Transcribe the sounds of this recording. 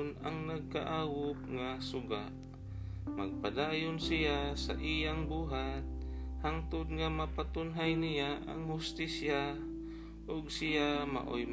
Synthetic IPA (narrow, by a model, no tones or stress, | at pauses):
na̰ŋnaɡ̚kaʔaːwʊp̚ŋasʊɡa̰ʔ | maɡ̚pad̪aːjʊnsɪjasa̰ʔijaŋbuːɦat̪̚haŋt̪ʊd̪̚ŋamapat̪ʊnɦajnɪjaʔa̰ŋhʊst̪isja | ʔʊɡsɪjama̰ʔo̰jm